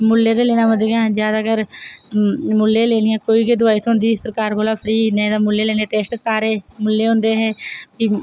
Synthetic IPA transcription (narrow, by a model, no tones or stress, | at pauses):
mʊlːeːd̪eleːnaːɦə̃nd̪eãd͡ʒjaːd̪aːɡəɾ | mʊlːẽːleːnɪjãːkoːiːɡed̪ʊaːit̪ʰõɦʊnd̪iːsəɾkaːɾkoːlaːpʰəɾiːnɛ̃d̪aːmʊlːeːleːneːʈeːsʈsaːɾeːmʊlːeːɦʊ̃nd̪eːɦɛːki